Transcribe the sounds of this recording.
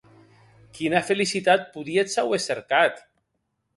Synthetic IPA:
kinafelisit̪at̪̚puðiesaweseɾkat̪

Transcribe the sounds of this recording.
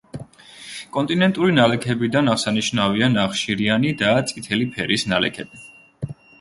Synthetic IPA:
kʼɔnt̪ʼinɛnt̪ʼuɾinalɛkʰɛbid̪anaʁsaniʃnavianaχʃiɾianid̪at̪sʼit̪ʰɛlipʰɛɾisnalɛ̰kʰɛbi

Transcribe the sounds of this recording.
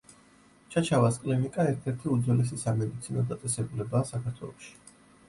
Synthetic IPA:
t͡ʃʰat͡ʃʰavaskʼlinikʼaɛɾt̪ʰɛɾt̪ʰiud̪zɔlɛs̬isamɛd̪it̪sʰinɔd̪at̪sʼɛsɛbulɛbaːsakʰaɾt̪ʰwɛ̰lˠɔʃi̥

